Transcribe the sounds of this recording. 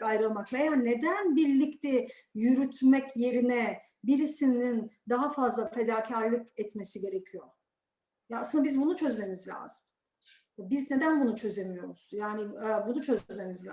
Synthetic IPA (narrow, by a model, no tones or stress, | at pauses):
ajɾɯlˠmaklˠajane̞d̪ænbiɾlʲict̪ʰɛjyɾyt̪mɛcje̞ɾinɛ | biɾisinind̪aɦafazlˠafe̞d̪aːcʰaɾlʲˠɯcɛt̪me̞siɟe̞ɾe̞cʰijo̞ | jaːsɯnd̪abizbunut͡ʃʰø̞zme̞mizlʲa̰ːz̥ɯm | jabizne̞d̪ænbunut͡ʃʰø̞ze̞mijo̞ɾuz̥jaːniɛbunut͡ʃʰø̞zme̞mizʲ